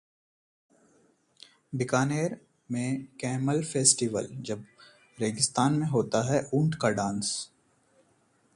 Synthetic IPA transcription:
bɪkaːneːɾ | mẽkɛːməlfeːsʈiʋə̰ld͡ʒɐb | ɾeːɡɪst̪aːnmẽɦoːt̪aɦɛʔũːɳʈkaɖãːns

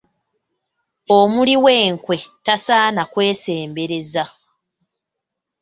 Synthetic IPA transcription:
omuliwe̞ːŋkwe̞tasaːnakwe̞ːse̞ːmbe̞ɾe̞za

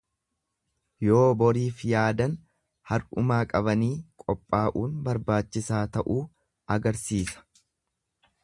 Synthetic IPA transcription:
jo̞ːbɔɾiːfjaːd̪ɐn | hɐɾʔʊmaːkʼɐβɐniːkʼɔpʼːaːʔuːnbɐɾbaːt͡ʃːɪsaːt̪ɐʔuː | ɐɡɐɾsiːsɐ̥

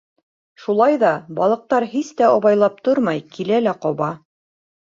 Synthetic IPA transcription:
ʃulˠɑjðɑbɑlˠɤ̆q̚t̪ɑɾɦist̪æɒβɑjlˠɑp̚t̪oɾmɑjkilælæqɒβɑ

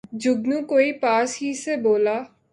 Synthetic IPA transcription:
d͡ʒʊɡnũːkoːipaːsɦiseboːlaː

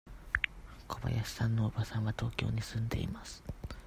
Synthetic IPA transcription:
kʰo̞ba̰jaɕi̥sãnːoːbasãɰ̃βat̪o̞ːkʲo̞̰ːɲ̟isɨ̃nd̪e̞̰ḭmasɨ̥

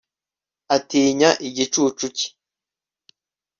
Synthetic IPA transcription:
atiːɲaʔiɟit͡ʃuːt͡ʃuci̥

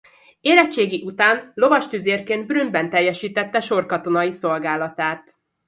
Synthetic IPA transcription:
eːlɛt͡ʃːeːɡiʔut̪aːnlo̞vɒʃt̪yzeːrkeːnd̪̚brymbɛnt̪ɛjːɛʃiːt̪ɛt̪ːɛʃo̞rkɒt̪o̞nɒiso̞lɡaːlɒt̪aːt̪

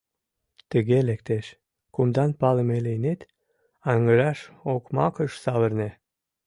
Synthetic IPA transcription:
t̪əɣelek̚t̪eʃ | kumd̪ɑnpɑləmelejnet̪ | ɑŋəʒɑʃokmɑ̰kəʃsɑβərne

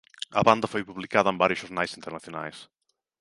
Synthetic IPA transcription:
ɐβand̪ɐfojpuβlikaðɐembaɾjʊʃoznajsint̪eɾnaθjona̰js

